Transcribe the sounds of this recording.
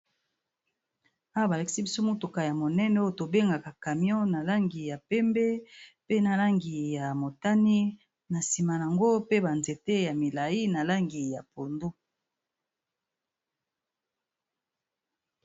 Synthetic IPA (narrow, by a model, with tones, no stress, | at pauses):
a˦wa˦ba˨la˨ki̥˦si˦bi˦so˦mo˦tu˨ka˨ja˨mo˨nɛ˦nɛ˦o˦o˦˨to˨be˦ŋɡa˨ka˨ka˨mjɔ̃˦na˨la˦ŋɡi˨ja˨pɛ˦mbɛ˦pe˦na˨la˦ŋɡi˨ja˨mo˨ta˦ni˦ | na˨si˨ma˨na˨ŋɡo˦pe˦ba˨nze˨te˦ja˨mi˨la˨i˦na˨la˦ŋɡi˨ja˨po˨ndo˦